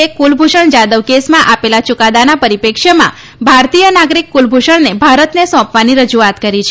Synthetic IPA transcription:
ekulbʱuʃəɳd͡ʒad̪əʋkesmãʔapelat͡ʃʊkad̪anapəɾipekʃəmã̰ | bʱaɾt̪ijənaɡɾikːulbʱuʃəɳnebʱaɾət̪nesɔ̃pʋaniɾəd͡ʒuat̪kəɾit͡ʃʰe

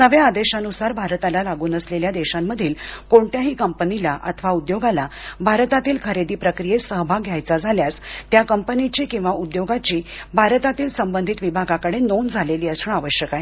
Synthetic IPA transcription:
nəʋjaːd̪eɕanusaɾbʱaɾt̪alalaɡuːnəsleljad̪eɕamːəd̪ʱiːlkoɳʈ̪jaɦiːkəmpənilaʔa̰t̪ʰəʋaud̪joɡalabʱaɾt̪at̪iːlkʰəɾed̪iːpɾəkɾijesəɦbʱaɡʱjajt͡sad͡zʱaljast̪jakəmpənit͡ɕiːkĩw̃ʋaʔud̪joɡat͡ɕiːbʱaɾt̪at̪iːlsəmbənd̪ʱit̪ʋibʱaɡakəɽenond͡zʱaleliːəsuɳaʋəɕjəkaɦe

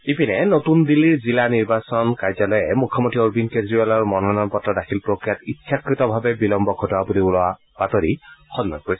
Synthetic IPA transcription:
ipinɛnotundilːiɹzilaniɹbasɔnkaɹzalɔjɛmukʰːɔmontʰioɹbinkezɹialɔɹmɔnɔnɔnpɔtːadaxʰilpɹokɹijatitːsʰakɹitɔbʱabɛbilɔmbɔɡʰʱɔtɔwabuliulɔa | b̥atoɹixɔnːɔ̰nkoɹisɛ

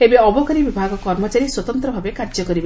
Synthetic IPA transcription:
ebeɔbɔkɔɾibibʱaɡɔkɔɾmɔt͡ʃaɾiswɔt̪ɔnt̪ɾɔbʱabekaɾd͡ʒɔkɔɾib

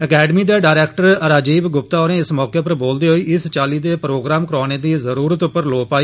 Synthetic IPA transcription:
əkɛːɖəmiːd̪eːɖaːɾɛːkʈəɾɾaːd͡ʒiːbɡʊpt̪aːɦoːɾẽːɪsmɔːkeːpəɾboːld̪eːɦoːiːʔɪst͡ʃaːliːd̪eːpɾoːɡɾaːmkəɾɔːneːd̪iːzəɾuːɾət̪ʊpːəɾloːpaːiː

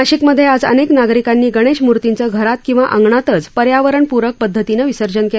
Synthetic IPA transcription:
aɕikməd̪ʱjead͡zə̰neknaɡɾikanːiːɡəɽ̃eɕmuɾt̪int͡səɡʱəɾat̪kĩw̃ʋaʔəŋɡɳat̪ət͡spəɾjaʋəɾəɳpuɾək̚pəd̪ʱːət̪inəʋisəɾd͡ʑənke

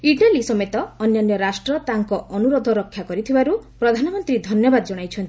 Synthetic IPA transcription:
iʈalisɔmet̪ɔːnjɔnjɔɾasʈɾɔt̪aŋkɔɔnuɾɔd̪ʱɔɾɔkʰːjakɔɾit̪ʰibaɾupɾɔd̪ʱanɔmɔnt̪ɾid̪ʱɔnjɔbad̪ɔd͡ʒɔɽ̃ajt͡ʃʰɔnt̪i

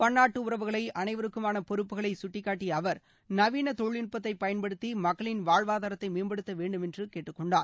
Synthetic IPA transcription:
pɐnːaːʈːɯʊɾɐʋɯɣɐɭɐɪʔɐnɐɪʋɐɾɯkːɯmaːnɐpɔɾɯpːɯɣɐɭɐɪsʊʈːɪkːaːʈːiɐʋɐɾ | nɐʋiːnɐt̪ɔɻɭɪɳpɐt̪ːɐɪpɐjɐnpɐɽɯt̪ːimɐkːɐɭɪnʋaːɻʋaːðaːɾɐt̪ːɐɪmeːnbɐɽɯt̪ːɐʋeːɳɖɯmɛndrɯkeːʈːɯkːɔɳɖaːɾ

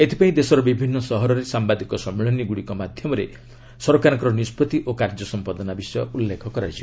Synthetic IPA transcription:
et̪ʰipaĩd̪esɔɾɔbibʱinːɔsɔɦɔɾɔɾesambad̪ʱikɔsɔmːeɭɔniɡuɽikɔmad̪ʱjɔmɔɾḛ | sɔɾokaɾɔŋkɔɾɔnispɔt̪iʔokaɾd͡ʒɔsɔmpɔd̪ɔnabisɔjɔulːekʰɔkɔɾad͡ʒʰi

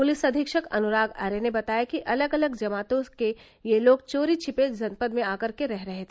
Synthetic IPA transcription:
pʊlɪsɐd̪ʱɪkʃəkɐ̰nʊɾaːɡa̰ːɾenebɐt̪aːjakiʔɐləɡɐləɡd͡ʒɐmaːt̪õke | jeloːɡ̚t͡ʃoːɾit͡ʃʰɪpeːd͡ʒɐnpəd̪mẽaːkɐɾkeɾɛɦɾɐɦet̪ʰe

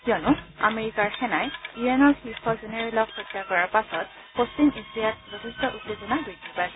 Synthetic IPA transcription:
kiɔnʊa̰meɹikaɹxɛnajiɛnɔxixɔzenɛɹɛlɔkxɔtːjakɔɹaɹpasɔt̚ | post͡ʃimisijat̚bɔkistɔʔutːezɔnaɡojdipajs

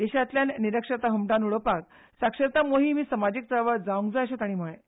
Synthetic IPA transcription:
d̪eɕat̪ljanniɾəkʂəɾt̪aɦəmʈanuɭəpak | sakʂəɾt̪amoɦimiːsəmad͡ʑiːk̚t̪əɾʋəɾd͡zaʋũŋɡd͡zajəɕat̪aɽ̃iməɭe

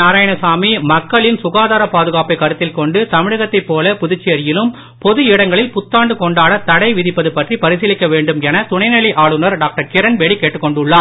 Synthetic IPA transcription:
aːɾaːjɐɳɐsaːmimɐkːɐɭɪnsʊɣaːðaːɾɐpaːðɯɣaːpɐɪkːɐɾɯt̪ːɪlkɔɳɖɯt̪ɐmɪɻɯɣɐt̪ːɐɪpːoːlɐpʊðɪt͡ʃːɪjɐɾɪjɪlɯm | pɔðɯɪɽɐŋɡɐɭɪlpʊt̪ːaːɳɖɯkɔɳɖaːɭɐt̪ɐɽɐɪʋɪðɪpːɐðɯpɐʈripɐɾɪsɪlɪkːɐʋeːɳɖɯmɛnɐt̪ʊɳɐɪnɐɭiʔaːɭɯnɐɾɖaːk̚ʈɐɾkɪɾɐnbɛɽikeːʈːɯkːɔɳɖʊɭːaː

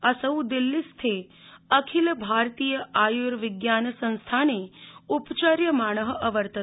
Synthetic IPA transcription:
əsəud̪ilːist̪ʰeəkʰilbʱaɾt̪ijəajuɾʋɪɡjansə̃ñst̪ʰaneupt͡ʃəɾjəmaːɳ̃əɦəʔəʋəɾt̪ə

